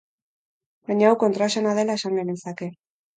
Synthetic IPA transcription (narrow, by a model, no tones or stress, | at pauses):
baɲaːwko̞nt̪ɾasenaðe̞lae̞saŋɡenesake̞